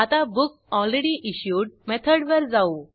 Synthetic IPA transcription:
at̪abuksɔlɾeɽiʔiɕjuːʈ̚mɛt̪ʰəɽʋəɾd͡zau

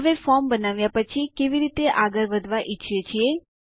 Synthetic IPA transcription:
ɦəʋefɔɾmbənaʋjapət͡ʃʰikeʋiɾit̪eʔaɡəɾʋəd̪ʱʋaʔiːʃʰet͡ʃʰie

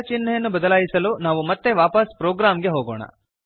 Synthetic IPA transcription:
t͡ʃinːɐjɐnːubɐd̪ɐlaːjisɐluːnaːʋumɐt̪ːe̞ʋaːpɐspɾɔːɡɾaːmɡe̞ɦoːɡɔːɳɐ̰

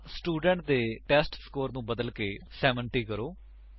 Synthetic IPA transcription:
sʈuːɖə̃ɳʈ̚d̪eːʈɛːsʈskoːɾnũːbəd̪əlkeːsɛːʋəɳʈiːkəɾoː

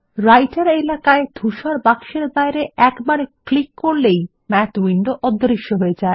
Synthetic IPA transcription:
ɾajʈaɾelakaed̪̥ʱuʃaɾbakʃeɾbajɾeʔɛkbaɾklikːoɾlej | mɛtwiɳɖoʔɔd̪ʱːɾiʃːoɦoed͡ʑae

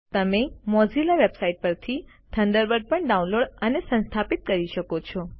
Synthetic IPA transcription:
t̪əmemɔzilaʋebsaiʈ̚pəɾt̪ʰi | t̪ʰəɳɖəɾʋəɖ̚pəɳɖaũnloɽənesə̃nst̪ʰapit̪̚kəɾiʃəkot͡ʃʰɔ

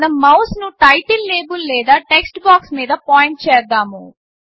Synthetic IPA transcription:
nɐmɐwsnuʈɐjʈilːeːbulːɛːd̪aːʈeksʈbaːksmiːd̪ɐpaːjiɳʈ̚t͡ʃɛːd̪aːmu

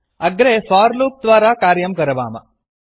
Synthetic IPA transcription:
ɐɡɾefaːɾluːp̚d̪ʋaːɾakaːɾjɐmkɐɾɐʋa̰ːmɐ̰

